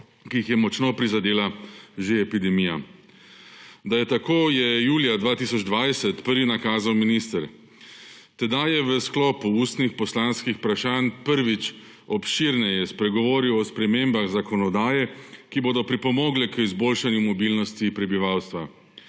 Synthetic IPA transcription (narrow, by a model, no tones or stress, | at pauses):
kijixjɛmɔt͡ʃnopɾizad̪eːlaʒeɛpid̪ɛmija̰ | d̪ajɛt̪akoːjɛjuːlijad̪ʋaːt̪isɔd͡ʒd̪ʋajsɛt̪pəɾʋinakaːzawminist̪əɾ | t̪ɛd̪ajɛʋəsklɔːpuust̪nixpɔslanskixpɾaʃaːnpəɾʋit͡ʃ | ɔpʃiɾnɛjɛspɾɛɡɔʋoːɾiwɔspɾɛmembaɣzakɔnɔd̪aːjɛkiboːd̪ɔpɾipɔmoːɡlɛkəizboːlʃanjumɔbilnɔst̪ipɾɛbiʋawst̪ʋa